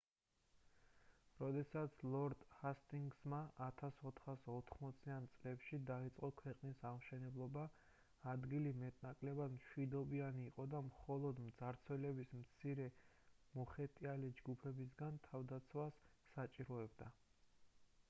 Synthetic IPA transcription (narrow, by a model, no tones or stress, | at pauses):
ɾɔd̪ɛsat̪sʰlˠɔɾd̪hast̪ʼiŋɡsmaat̪ʰasɔt̪ʰχasɔt̪ʰχmɔt̪sʰiant̪sʼlɛpʃid̪ait̪sʼqʼɔkʰwɛqʼnisaʁmʃɛnɛblˠɔbaː | d̪ɡilimɛt̪ʼnakʼlɛbad̪mʃwid̪ɔbianiːqʼɔd̪amχɔlˠɔd̪md̪zaɾt̪sʰwɛlɛbismt̪sʰiɾɛ | mɔχɛt̪ʼialid͡ʒɡupʰɛbis̬ɡant̪ʰavd̪at̪sʰwasːat͡ʃʼiɾɔɛbd̪a